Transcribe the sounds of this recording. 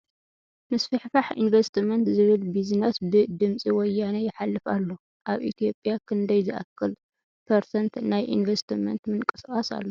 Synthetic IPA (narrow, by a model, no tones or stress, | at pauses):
mɨsfɨħfaħḭnvɐst̪ɨmɐnt̪zɨβɨlbizinosbɨd̪ɨmsʼiwɔjːanɐjɪħalːɨfa̰lːo | ʔaβʔḭt̪ʰijo̞pʼːjakʰɨnd̪ɐjzɨʔakʰːɨl | pʰɐɾsɐnt̪najʔḭnvɐst̪ʰɨmɐ̰nt̪mɨnkʼɨ̥sχʼasa̰lːo